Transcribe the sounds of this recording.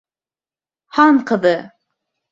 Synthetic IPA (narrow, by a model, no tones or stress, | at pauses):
hɑɴqɤ̆ðɤ